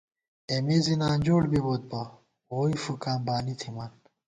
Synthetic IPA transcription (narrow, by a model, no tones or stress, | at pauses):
emizinaːnd͡ʑoːɽbibot̪̚ba | oːifukaːmbaːnit̪ʰimaːn